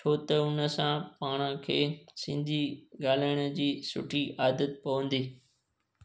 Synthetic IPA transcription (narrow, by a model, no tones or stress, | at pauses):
t͡ɕʰoːt̪ɐʊnə̆sãpaːɽ̃ə̃kʰeːsɪ̃nd̪ʱiɠaːl̤aːɪɽ̃əd͡ʑiːsʊ̰ʈʰiaːd̪ət̪pɐʋə̃nd̪iː